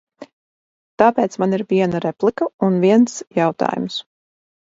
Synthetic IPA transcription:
t̪aːpeːt̪smaniɾviɛnaɾɛplˠikəunviɛnsjawt̪a̰ːjṵms

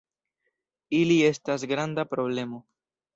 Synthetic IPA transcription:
ilie̞stas̬ɡɾandapɾo̞ble̞mo̞

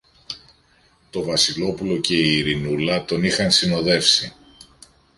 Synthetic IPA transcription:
t̪o̞vɐsilo̞pulo̞ce̞iːɾinulɐt̪o̞nixɐnsino̞ðe̞fsi

